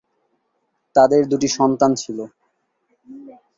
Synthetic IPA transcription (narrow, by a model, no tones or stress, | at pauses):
t̪ad̪eɾd̪uʈiʃɔnt̪ant͡ɕʰilo